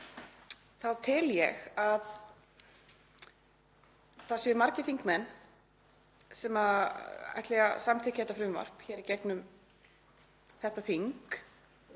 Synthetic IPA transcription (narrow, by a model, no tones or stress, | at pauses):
θaðt̪ʰɪljɛɣað | θaðsɛðʏɾmaɾcɪθiŋkmɛnː | sɛmaa̰jht̪lɛɣasamt̪ʰɪhcahɛht̪afɾʏmva̰r̥pçɛːɾicɛknʏm | θɛht̪aθiŋk